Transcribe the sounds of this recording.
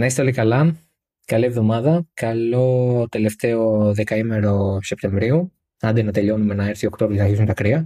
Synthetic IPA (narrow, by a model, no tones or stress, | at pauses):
nɐist̪elikɐlɐ | kɐlievðo̞mɐðɐkɐlo̞t̪e̞le̞ft̪e̞oðe̞kɐime̞ɾo̞sep̚t̪e̞ɱvɾiu | ɐnd̪enɐt̪e̞ʎo̞nume̞nɐeɾθiokt̪o̞vɾiosnɐçisunt̪ɐkɾiɐ